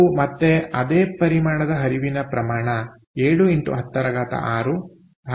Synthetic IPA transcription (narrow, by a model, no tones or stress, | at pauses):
mɐt̪ːeɐd̪eːpɐɾimaːɳɐd̪ɐɦɐɾiʋinɐpɾɐmaːɳɐ | eːɭuinʈ̪ṵɦɐt̪ːɐɾɐɡaːt̪ɐ̰ʔaːɾu | ɦɐ